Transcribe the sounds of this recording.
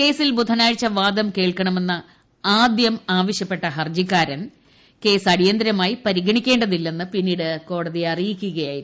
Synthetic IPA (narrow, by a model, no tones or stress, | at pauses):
ke̞ːsilbud̪ʰʱɐnaːɻt͡ɕːɐʋaːd̪ɐmke̞ːɭkɐɳɐme̞nːɐ | aːd̪jɐmaːʋɐɕjɐpːe̞ʈːɐɦɐrd͡ʑikːaːɾɐn | ke̞ːsɐɽijɐnd̪ɾɐmaːjipɐɾiɡɐɳikʲːe̞ːɳɖɐðilːenːɨpinːiːɽɨko̞ːɽɐðiɐrijikʲːuɣɐjaːjiɾu